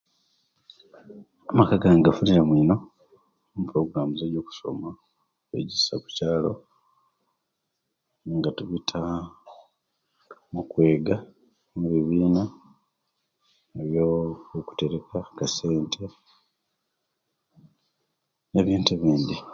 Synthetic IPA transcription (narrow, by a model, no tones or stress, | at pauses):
amakaɡaŋɡafuniɾamwiːno̞ | mupuɾo̞ɡuɾamuzeɾjo̞ːku̥so̞̰ma | ḛɟisaku̥caːlo̞̰ | ŋɡatuβitʰa | mukwe̞ːɡa | muβiβiːna | eβjooku̥te̞ɾekʰakase̞ːntʰe | neβjeːnteβiːnd̪i